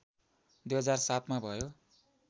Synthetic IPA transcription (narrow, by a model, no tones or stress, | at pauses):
d̪ujɦʌd͡zarsat̪mabʱʌjo